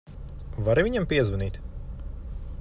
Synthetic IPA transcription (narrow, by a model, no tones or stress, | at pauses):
vaɾivʲiɲampiɛzvɐniːt̪